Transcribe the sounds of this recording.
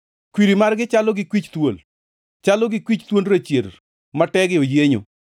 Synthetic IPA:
kwiɾimarɡɪt͡ʃalɔɡɪkwit͡ʃt̪wol | t͡ʃalɔɡɪkwit͡ʃt̪wonɾat͡ʃjer | matɛɡɪojeɲo̰

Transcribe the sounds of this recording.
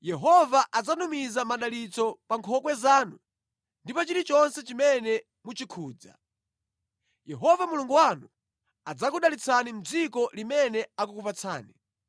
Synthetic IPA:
jɛɦɔvaʔad͡zanumizamaɗalit͡sɔpaŋkʰɔkwɛzaːnu | ndipɔt͡ʃiɾit͡ʃɔnsɛt͡ʃimɛnɛ | mut͡ʃikʰuːd͡za̰ | jɛɦɔvamuluŋɡuwanu | ad͡zak̬uɗalit͡sʰanim̩d͡zikɔlimɛnɛakukupat͡sʰa̰ːni

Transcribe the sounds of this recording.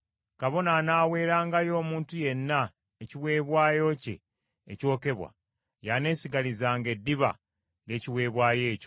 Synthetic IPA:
kaβo̞nanaːwe̞ːɾaːŋɡajo̞ːmuːntuje̞nːa | eciwe̞ːβwaːjo̞cḛː | co̞ːke̞βwa̰ | jane̞ːsiɡalizaːŋɡe̞dːiβa̰ | le̞ːciwe̞ːβwaːje̞ːco

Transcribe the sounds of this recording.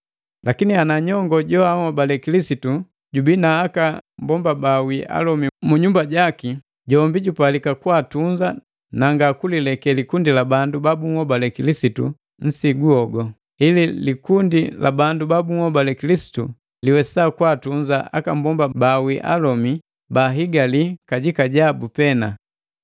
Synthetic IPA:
lakinianaɲɔŋɡɔɟɔaŋɔbalɛkilisitu | ɟubinaːkambɔmbabawiʔa̰lɔmimuɲumbaɟaki | ɟɔmbiɟupalikakwatuɲd͡ʒa | naŋɡakulilɛkɛlikundilabandubabuŋɔbalɛkilisitu | n̩siɡuɔɡɔ | ililikundila̰bandubabuŋhɔbalɛkilisi̥tu | liwɛsakwatuɲd͡ʒaʔa̰kambɔmbabawiʔa̰lɔmi | baɦiɡalikaɟikaɟabupɛna

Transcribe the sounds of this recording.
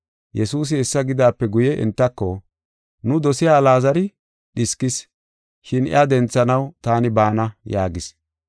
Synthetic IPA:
jɛsuːs̬ɪɛsːɐɡɪd̪aːpːɛɡʊjɛʔɪ̰nt̪ːɐkːɔ | nʊd̪ɔsɪjaːlaːzɐɾɪ | ɗɪskɪs | ʃɪnɪ̰ad̪ɛnt͡sːɐnɐwt̪aːnɪbaːnɐjaːɡɪs

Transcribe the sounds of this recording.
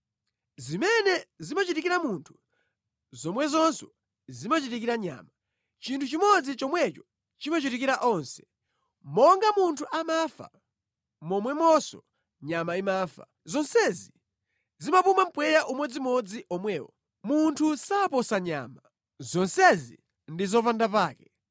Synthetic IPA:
zimɛnɛzimat͡ʃitikiɾamuntʰu̥ | zɔmwɛzɔnsɔ | zimat͡ʃitikiɾaɲa̰ːma | t͡ʃintʰut͡ʃimɔd͡zit͡ʃɔmwɛt͡ʃɔ̥ | t͡ʃimat͡ʃitikiɾaʔɔnsɛ̥ | mɔŋɡamuntʰuʔamafa̰ | mɔmwɛmɔsɔ̰ | ɲamaimafa̰ | zɔnsɛzi | zimapumam̩pwɛjaʔumwɛd͡zimɔd͡ziʔɔmwɛːwɔ̰ | muntʰusaːpɔsaɲa̰ːma | zɔnsɛzḭ | ndizɔpandapaːkɛ

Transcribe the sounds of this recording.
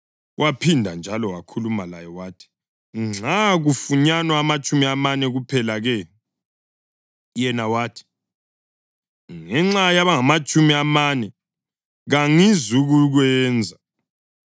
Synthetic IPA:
wʔapʰindʱand͡ʒʱalɔwakʰulumalajɔwaːtʰi̥ | ŋ͡ǀaɣufuɲanwaːmat͡ʃʼumiamanɛɣupʰɛlaɣɛ | jɛnawaːtʰi̥ | ŋɛŋ͡ǁajaβaŋamat͡ʃʼumiamanɛ | ɣaŋizuɣuɣwɛːnd͡zʱa

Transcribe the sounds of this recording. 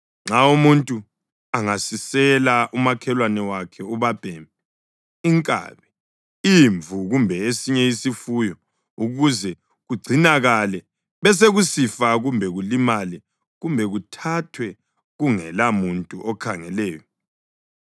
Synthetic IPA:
ŋ͡ǁaumuntʼu | aŋasisɛlaʔumakʰɛlwanɛwakʰɛuβab̥ʱɛːmb̚ɛ | iŋkʼa̰βɛ | iɱvʱuɣumbʱɛesiɲɛisifujɔ | uɣuzɛ | ɣuɡ͡ǀʱinaɣalɛ | βɛs̬eɣusifaɣumbʱɛɣulimalɛ | ɣumbʱɛɣutʰatʰwɛ | ɣuŋɛ̰lamuntʼuʔɔkʰaŋɛlɛːjɔ

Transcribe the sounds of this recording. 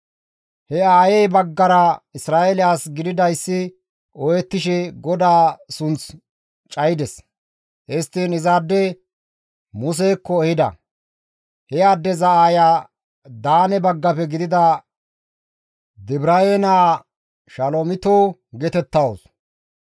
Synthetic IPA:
hɛaːjɛjbɐɡːɐɾɐɪsɾaːelɪjaːsɡɪd̪ɪd̪ɐjsːɪ | ʔɔjɛt̪ːɪʃɛɡɔd̪aːsʊnt͡s | t͡ʃʼɐjd̪ɛs | ʔɛst̪ːiːnɪzaːd̪ːɛ | mʊs̬eːkːɔɛhɪd̪ɐ̰ | hɛjaːd̪ːɛzɐaːjaː | d̪aːnɛbɐɡːɐpɛɡɪd̪ɪd̪ɐ | d̪ɪbɾɐenaː | ʃɐloːmɪt̪oːɡɛt̪ɛt̪ːɐwos

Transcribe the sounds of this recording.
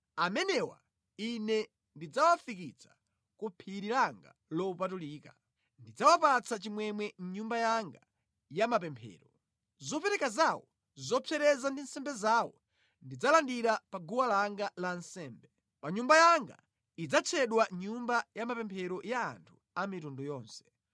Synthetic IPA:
amɛnɛwa̰ | inɛ | ndid͡zawafikit͡sʰḁ | kupʰiɾiɾaŋɡa̰ | lɔupatuliːka | ndid͡zawapat͡sʰat͡ʃimwɛmwɛɲumbajaŋɡa | jamapɛmpʰɛ̰ːɾɔ | zɔpɛɾɛkazawɔ | zɔpʰɛɾɛzandinsɛmbɛzaːwɔ̰ | ndid͡zalandiɾapaɡuwalaŋɡalansɛːmbɛ | paɲumbajaŋɡa̰ | id͡zat͡sʰɛɗwaɲumbajamapɛmpʰɛɾɔja̰ːntʰu̥ | amitundɔjɔːnsɛ̥

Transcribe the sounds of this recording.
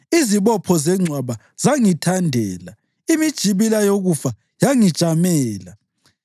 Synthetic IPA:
iziβɔpʰɔzɛŋ͡ǀʱwaβa | z̥aŋitʰandʱɛːla | imid̥ʒ̥ʱiβilajoɣufa | jaŋid̥ʒ̥ʱamɛːla

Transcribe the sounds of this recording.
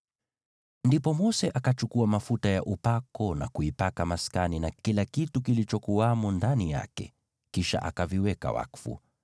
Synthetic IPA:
ndipɔmɔsɛʔakat͡ʃukuamafutajaʔupakɔna̰kuipakamaskaninakilakitukilit͡ʃɔkuwamundanija̰kɛ̰ | kiʃa̰ʔa̰kaviwɛka̰wa̰kfṵ

